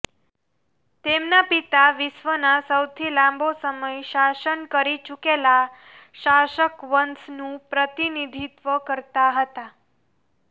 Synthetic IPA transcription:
t̪emnapit̪aʋɪsʋənasəwt̪ʰilãmbʱosəməjʃaʃənkəɾit͡ʃukela | ʃaʃəkʋənsnũpɾət̪inid̪ʱit̪ʋəkəɾt̪aɦət̪a

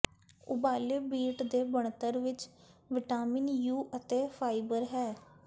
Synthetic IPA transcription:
ʊ̰baːleːbiːʈd̪eːbəɳt̪əɾʋɪt͡ʃʋɪʈaːmɪnjuːʔət̪eːpʰaːiɪbəɾɦɛː

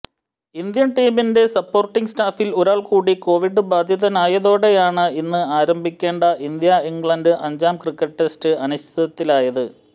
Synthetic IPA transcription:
ind̪jɐnʈiːminde̞sɐpːo̞ːrʈːiŋɡsʈaːfiloɾaːɭkuːɽiko̞ːʋiɖɨbaːd̪ʱjɐðɐnaːjɐðo̞ːɽe̞jaːɳɨinːɨaːɾɐmbʱikʲːe̞ːɳɖɐʔind̪jɐiŋɡɭɐndɨʔɐɲd͡ʑaːmkrikːɐʈʈːe̞stɨɐnuɕt̪ʰɐðɐt̪ːilaːjɐðɨ

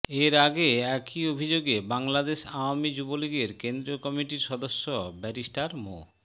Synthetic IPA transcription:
eɾaɡeɛkiobʱid͡ʑoɡebaŋlad̪eʃaoamid͡ʑuboliɡeɾkend̪ɾiokɔmiʈiɾʃɔd̪oʃːobɛɾisʈaɾmo̰

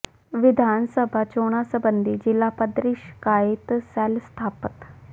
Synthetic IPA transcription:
ʋɪd̪ʱaːnsəbʱaːt͡ʃoːɽ̃asəbənd̪iːd͡ʒɪlːaːpəd̪ɾɪʃkaːɪt̪sɛlst̪ʰaːpət̪

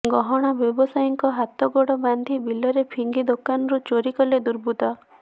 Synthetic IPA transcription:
ɡɔɦɔɽ̃abjɔbɔsajɔŋkɔɦat̪ɔɡɔɽɔband̪ʱibilɔɾepʰiŋɡid̪okanɔɾut͡ʃoɾikɔled̪uɾbʱut̪ɔ

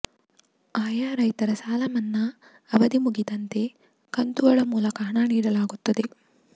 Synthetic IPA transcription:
aːjaːɾɐjt̪ɐɾɐsaːlɐmɐnːɐː | ʋɐd̪imuɡid̪ɐnt̪e̞ | kɐnt̪uʋɐɭɐmuːlɐkɐɦɐɳaniːɽɐlaːɡut̪ːɐd̪e̞

